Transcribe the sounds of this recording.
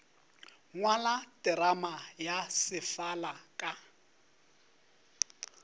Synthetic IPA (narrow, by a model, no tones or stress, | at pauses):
ŋwalatʼɪɾamajasɪfalakʼa